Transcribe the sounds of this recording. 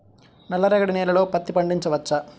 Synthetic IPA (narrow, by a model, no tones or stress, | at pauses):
nɐlːɐɾɐɡɐɽineːlɐloːpɐt̪ːipɐɳɖiɲt͡ʃɐʋɐt͡ʃːɐ